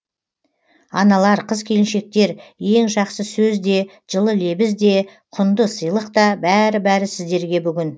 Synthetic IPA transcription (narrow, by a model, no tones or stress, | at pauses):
ɑ̰nɑlˠɑɾqʰəzkʲʰe̞lɪnʃe̞k̚t̪e̞ɾje̞ŋʒɑqsəsɵzd̪e̞ | ʒəlˠəle̞bɪzd̪e̞qʰʊnd̪əsəjlˠəqt̪ɑbæɾɪbæɾɪsɪzd̪e̞ɾɡʲe̞bʏɡʲɪn